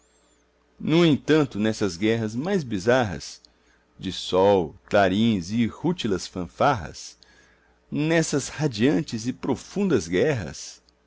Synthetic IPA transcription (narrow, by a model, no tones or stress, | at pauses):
nʊẽnt̪ɐ̃nt̪ʊnɛsɐzɡɛɦɐzmajzbizaɦɐ̰s | d͡ʒɪsɔwt̪laɾĩzɪhut͡ʃilɐsfɐ̃faɦɐ̰s | nɛsɐshad͡ʒiɐ̃nt͡ʃɪzɪpɾofũnd̪ɐzɡɛɦɐ̰s